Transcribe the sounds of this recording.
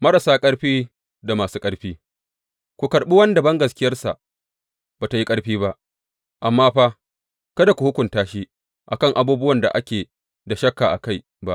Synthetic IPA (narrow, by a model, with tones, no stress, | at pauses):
mɐ˦ɾa˨saː˦kʼɐ˦ɽɸiː˦ | da˨maː˨suː˦kʼɐ˦ɽɸiː˦ | kʷu˨kɐ˨ɾɓi˦wɐ˦nda˨bɐ˦ŋɡɐ˨skʲɪ˦jɐ˦rsa̰˨ʔ | baː˨ta˨ji˦kʼɐ˦ɽɸiː˦ba˦ʔ | ʔa˨mːaː˦ɸaː˦ | kɐ˦da˨kʷu˨hʊ˦kʷʊ˨ntaː˦ʃi˦ | ʔa̰˨kɐ˦˨ŋʔa˨buː˦bʊ˦wɐ˨nda̰˨ʔa˦kʲeː˨ | da˨ʃɐ˦kːa˨ʔa̰˨ka˦˨j | ba˦ʔ